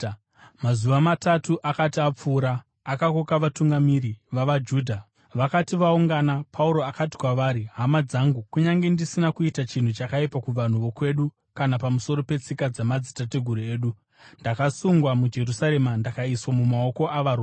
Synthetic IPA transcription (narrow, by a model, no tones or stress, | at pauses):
mazuʋamatatuʔakatiap͡fuːɾaː | kakokaʋatuŋɡamiɾiʋaʋad͡ʒuːdʱa | ʋakatiʋauŋɡanapʰauɾo̞akati̥kwaʋaːɾiɦamad͡zaŋɡukuɲaŋɡe̞ndisinakuitat͡ʃin̤ut͡ʃakaipakuʋan̤uʋo̞kwe̞ɗu | kanapamuso̞ɾo̞pe̞t͡sikad͡zamad͡zitate̞ɡʱuɾue̞ːɗu | ndakasuŋɡwamud͡ʒe̞rusaɾe̞mandakaiswamumao̞ko̞ʔaʋaɾuː